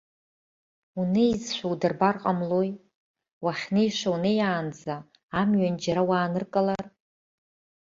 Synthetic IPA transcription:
uneizʃʷawdɨrbarqʼamlo̞j | waχʲnejʂawnejaːnd͡zaː | mɥand͡ʒaɾawaːnɨrkʼalar

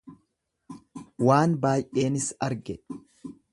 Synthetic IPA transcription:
waːnbaːjʔʔe̞ːnɪsɐɾɡɛ

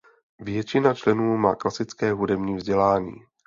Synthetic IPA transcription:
vjɛt͡ʃɪnat͡ʃlɛnuːma̰ːklasɪt͡skɛːɦudɛbɲiːvzɟɛlaːɲḭː

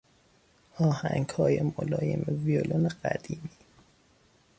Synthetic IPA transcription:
ɒːhæŋɡhɒːjemolɒːjḛmeviolʔoneɢæ̰d̪iːmiː

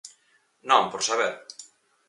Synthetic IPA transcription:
nɔ̃mpɔɾsaβɛɾ

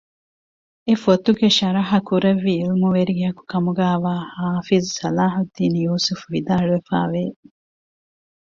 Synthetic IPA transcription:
efot̪uɡeʃɐɾɐɦɐkuɾɐʋːiːlmuʋeɾiɡeɦɐku̥kɐmuɡæːʋaːhaːfizsɐlaːɦud̪ːiːnijuːsufuʋid̪aːɭuʋefa̰ːʋe

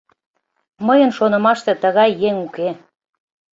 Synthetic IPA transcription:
məjənʃonə̆mɑʃt̪et̪əɣɑjːeŋuke

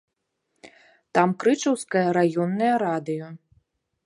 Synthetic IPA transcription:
t̪amkɾɨt͡ʂɐwskɐjɐɾajɔnːɐjɐɾad̪ɨjɔ

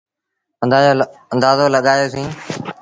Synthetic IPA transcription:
ə̃nd̪aːjoːə̃nd̪aːzoːləɠaːjoːsĩː

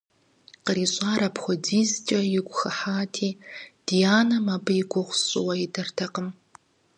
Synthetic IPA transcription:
qəɾiːɕʼaːɾɐpʰxʷɔdiːzt͡ʃʼɐjɪɡʷʼʊxɐħaːtʰiːd̥ijaːnɐmaːbɨjɪɡʷʊʁʷʊɕʼɪ̰wɐidʰɐrtʰɐqəm

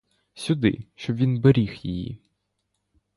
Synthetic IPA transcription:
sʲʊd̪ɪ̰ʃt͡ʃɔbʋʲinbeɾʲixjɪjḭ

